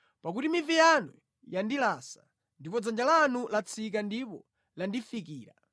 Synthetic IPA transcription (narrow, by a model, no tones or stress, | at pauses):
pak̬utimivijanu | jandilasa | ndipɔd͡zand͡ʒalanulat͡sʰik̬andipɔ | landifikiːɾa̰